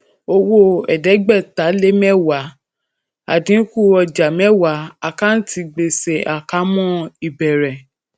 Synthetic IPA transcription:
o˧wo˦ɛ˨dɛ˨˦ɡ͡bɛ˦˨ta˨˦le˦mɛ̃˦˨wa˨˦ | a̰˨dĩ˨˦ku˦˨ɔ˧d͡ʒa˨mɛ̃˦wa˨˦a˧ka˦n̩˦ti˧ɡ͡be˧sɛ˨ʔa˨ka˨˦mɔ̃˦i˨bɛ˨ɾɛ˨

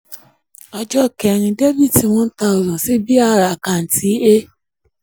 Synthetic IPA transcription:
ɔ˧d͡ʒɔ˦˨kɛ˨ɾ̃ĩ˧de˦vi˦˨ti˧˦wɔ̃˦n̩˦ta˧˦o˨zɔ̃˨si˦bi˦a˦˨ɾa˨kã˨n̩˨ti˨˦e˦

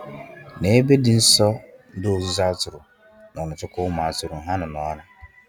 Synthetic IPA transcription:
nẽ˨˦be˦di˨n̩˦sɔ˦n̩˦do˦o˨si˦sa˦tʰʊ˨ɾʊ˨ | nã˨ɔ˨nʊ̃˨tʊ˦kʰʊ˦mãː˨˦tʊ˨ɾʊ˨ɦã˦nɪ̃˨nɔ̃˨ɔ˦nã˦

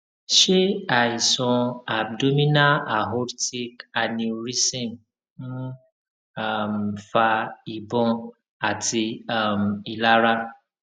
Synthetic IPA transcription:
ʃe˦a˨i˨sɔ̃˧a˨b̚do˦mĩ˦na˦a˨ɦo˦ɾti˦ka˨nĩ˧ɾi˦sĩ˦˨m̩˦ | a˦˨mfa˧i˨bɔ̃˧ | a˨ti˧a˦˨m˨i˨la˦ɾa˦

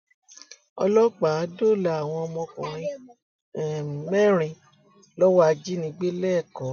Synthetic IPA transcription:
ɔ̰˧lɔ˦k͡pa˨˦do˦˨la˨a˨w̃ɔ̃˧ɔ˧mɔ̃˧kṵ̃˨ɾ̃ĩ˧˨ | mɛ˦˨ɾ̃ĩ˧ | lɔ˦wa˦˧d͡ʒi˦nĩ˧˦ɡ͡be˦lɛː˦˨kɔ˨˦

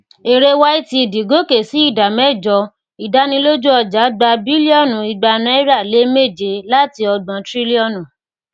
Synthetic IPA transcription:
e˨ɾe˦wa˦i˦ti˧i˨di˨ɡo˨˦ke˨si˨˦i˦˨da˨mɛ˦˨d͡ʒɔ˧˦ | i˨da˦nĩ˧lo˦d͡ʒu˦ɔ˧d͡ʒa˨˦ɡ͡ba˧bi˦li˦ɔ˦˨nũ˨i˧ɡ͡ba˧nã˦ɛ˦ɾa˦˨le˨˦me˦˨d͡ʒe˨˧la˦ti˧ɔ˧ɡ͡bã˨˦tɾi˦li˦ɔ˦˨nũ˨

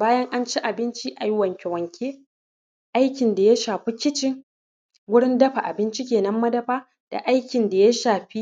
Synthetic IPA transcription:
baː˦jɐ˦ŋʔa˦nt͡ʃi˦ʔa˨bɪ˦nt͡ʃi˦ʔa˨jwɐ˨ŋkʲɛ˨wɐ˨ŋkʲʰeː˦ | ʔa˦jkʲɪ˨nda˨ja˦ʃaː˨ɸi˦kʲɪ˦t͡ʃɪ˦ŋ | ɡʷʊ˦ɽɪ˦ndɐ˦ɸa˨ʔa˨bɪ˦nt͡ʃi˦kʲeː˨nɐ˦mːɐ˦dɐ˦ɸaː˦ | d̥a̰˨ʔa˦jkʲɪ˨nda˨ja˦ʃaː˨ɸi˦

